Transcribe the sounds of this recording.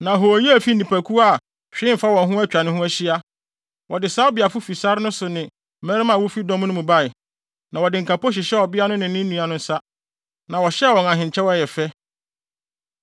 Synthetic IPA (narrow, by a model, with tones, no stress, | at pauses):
nã˨ɦo˨ji˦æ˨fi˦nĩ˨pʰæ˨kʰu˦a˦˨ | t͡ɕᶣɪ̃˦˨fa˦wɔ̃˨nɦʊ̃˦æ˦t͡ɕᶣa˨nɪ̃˦hʊ̃˦æ˦ɕi˦a˦ | wɔ˨dɪ˨saː˦bɪ˨a˨fʊ˦fi˨sa˦ɾɪ˦nʊ̃˦sʊ˨nɪ̃˨˦ | mɛ̃˦ɾɪ˦mã˨wʊ˦fi˦dɔ̃˦m̃˦nʊ̃˦mũ˨ba˦˨ɪ˨ | nã˨wɔ˨dɪ˨ŋ̩˨kʰa˨pɔ˦ɕ̬ɪ˨ɕɛ˦ɔ˨bɪ˦a˦nʊ̃˦nɪ̃˨˦nɪ̃˦nũ˨a˨nʊ̃˦n̩˦sa˦ | nã˨wɔ˨ɕɛ˦˨wɔ̃˨nã˨ɦɪ̃˨ɲ˨t͡ɕʰɛ˦wɔ˦˨jɛ˨fɛ˦